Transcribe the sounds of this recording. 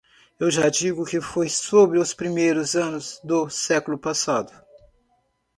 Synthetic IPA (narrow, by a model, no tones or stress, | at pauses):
ewʒad͡ʒiɡʊkɪfojsobɾɪʊspɾimejɾʊzɐ̃nʊzd̪ʊsɛkʊlʊpasad̪ʊ